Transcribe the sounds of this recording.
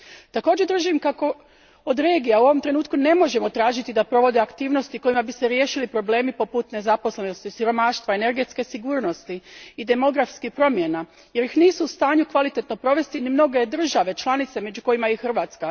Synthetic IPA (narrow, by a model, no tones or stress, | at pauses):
t̪ako̞ːd͡ʑed̪r̩ʒimkako̞ | od̪ɾe̞ːɡijauo̞ʋomt̪ɾe̞nuːt̪kune̞mo̞ʒe̞mo̞t̪ɾaːʒit̪id̪apɾo̞ʋo̞d̪e̞akt̪iːʋno̞st̪iko̞jimabise̞ɾje̞ːʃilipɾo̞ble̞ːmipo̞put̪ne̞zapo̞sle̞no̞st̪isiɾo̞maːʃt̪ʋaene̞ɾɡe̞t̪ske̞siɡuːɾno̞st̪iid̪e̞mo̞ɡɾafskipɾo̞mje̞na | je̞ɾixniːsuːst̪aːɲukʋalit̪e̞t̪no̞pɾo̞ʋe̞st̪inimno̞ɡe̞d̪r̩ʒaʋe̞t͡ʃlˠanit̪se̞me̞d͡ʑuko̞jimaixr̩ʋaːt̪ska